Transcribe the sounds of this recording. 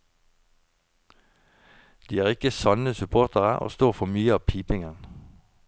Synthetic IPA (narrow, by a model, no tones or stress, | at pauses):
d̪̥iːæːʁɪkəsɑnəsʉpʰoːʁt̪ʰəʁəo̰ːst̪oːʁfɔmyːəɑːʋpʰiːpɪŋən